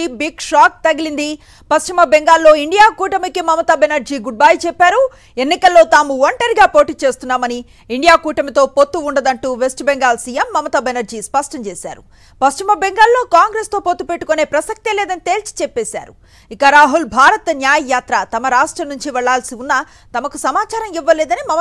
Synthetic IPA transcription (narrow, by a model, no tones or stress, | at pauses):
ibiɡʂaːk̚t̪ɐɡilind̪i | pɐst͡ʃimɐbeŋɡaːlːo̞ːiɳɖijaːkuːʈɐmikimɐmɐt̪ɐbenɐɾd͡ʒiːɡuɖ̚baːjt͡ʃepːaːɾu | e̞nːikɐlːo̞ːt̪aːmuʋɐɳʈɐɾiɡaːpo̞ːʈiːt͡ʃe̞ːst̪unːaːmɐni | iɳɖijaːkuːʈɐmit̪o̞ːpot̪ːuːɳɖɐd̪ɐɳʈuːʋe̞sʈbeŋɡaːlsiːjemːɐmɐt̪ɐbenɐɾd͡ʒiːspɐʂʈɐɲt͡ʃeːsa̰ːɾu | pɐst͡ʃimɐbeŋɡaːlːo̞ːkaːŋɡɾeːst̪o̞ːpot̪ːupe̞ʈːu̥kone̞ːpɾɐsɐk̚t̪eleːd̪ɐnit̪e̞ːlt͡ʃi̥t͡ʃepːeːsa̰ːɾu | ikɐɾaːɦulbʱaːɾɐt̪ɐnjaːjɐjaːt̪ɾɐt̪ɐmɐɾaːʂʈɾɐmnːuɲt͡ʃiʋɛɭːaːlsiunːɐ | t̪ɐmɐkusɐmaːt͡ʃaːɾɐmiʋːɐleːd̪ɐnimɐmɐ